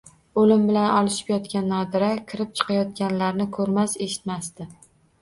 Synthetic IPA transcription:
olɪmbɪlanɒlˠɪʃɪ̥pjɒt̪kʲanːɒd̪ɪɾakʲʰɪɾɪp̚t͡ʃʰɨ̥qʰɑjɒt̪̚kʲanlaɾnɪkʰɵɾmase̞ʃɪ̥t̪mast̪ɪ

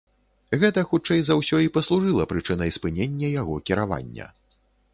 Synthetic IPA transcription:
ɣɛt̪ɐxut͡ʂɛjzawsʲɔipɐslˠuʐɨlˠɐpɾɨt͡ʂɨnɐjspɨnʲenʲːɐjaɣɔkʲiɾava̰nʲːɐ̰

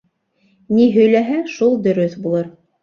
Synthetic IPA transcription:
niɦɵ̆jlæɦæʃulˠd̪ɵ̆ɾɵθbulˠɤɾ

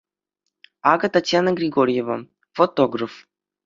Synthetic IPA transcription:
aɡət̪at̪ʲjanəɡrʲiɡoɾʲjevə̰ | fot̪oɡrəf

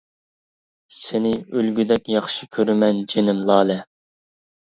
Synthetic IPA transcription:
sɪnɪølɡʲyd̪ɛkʲjɑχʃikʲʰøɾymɛnd͡ʒenɪmlˠɑːlɛ

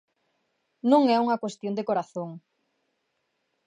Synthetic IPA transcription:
nũŋɛuŋɐkwest̪jond̪ekoɾaθoŋ

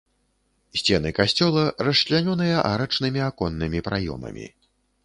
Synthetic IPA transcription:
sʲt͡sʲɛnɨkasʲt͡sʲɔlˠɐrɐʂlʲanʲɔn̪ɨjɐʔaɾɐt͡ʂnɨmʲiakɔnːɨmʲipɾajɔ̰mɐ̰mʲḭ

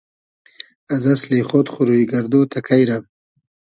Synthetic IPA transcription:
azɐsleχot̪χuɾuiɡaɾd̪oːt̪ʰakʰajɾam

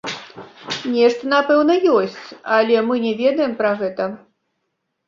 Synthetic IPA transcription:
nʲɛʂt̪ɐnapɛwnɐjɔsʲt͡sʲalʲɛmɨnʲɛvʲɛd̪ɐjɛmpɾaɣɛt̪ɐ

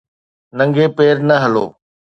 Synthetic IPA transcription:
nə̃ŋɡʱeːpeːɾnəɦəlo̰ː

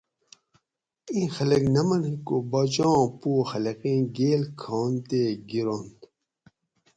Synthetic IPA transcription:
ĩːxɐlɐknɐmɐnĩkobɐt͡ɕõːpuːxɐlɐqĩːɡeːlkʰoːnt̪eɡiɾond̪

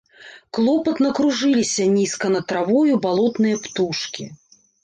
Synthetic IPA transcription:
klˠɔpɐt̪nɐkɾuʐɨlʲisʲɐnʲiskɐnɐt̪ɾavɔjubalˠɔt̪nɨjɐpt̪uʂkʲi

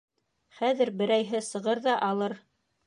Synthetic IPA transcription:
χæðɘ̆ɾbɘ̆ɾæjɦɘsɤ̆ʁɤɾðɑʔɑlˠɤɾ

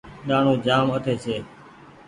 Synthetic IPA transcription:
ɗaːɳ̤õːd͡ʒaːmət̪ʰeːseː

